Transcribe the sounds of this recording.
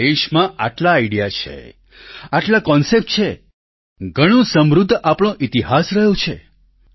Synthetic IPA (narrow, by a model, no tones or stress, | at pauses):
eʃmãaʈlaːɪɽijat͡ʃʰḛ | aʈlakɔnsep̚ʈ̚t͡ʃʰe | ɡʱəɽ̃õsəmɾud̪ʱːʔapɽ̃õʔit̪iɦasɾəɦjõt͡ʃʰe